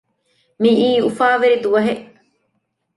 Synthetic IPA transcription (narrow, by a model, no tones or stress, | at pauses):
miiːufaːʋeɾid̪uʋɐɦeʔ